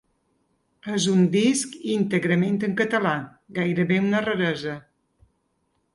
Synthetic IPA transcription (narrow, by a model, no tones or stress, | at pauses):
əzund̪iskint̪əɣɾəment̪əŋkət̪əla | ɡajɾəβeunərəɾɛzə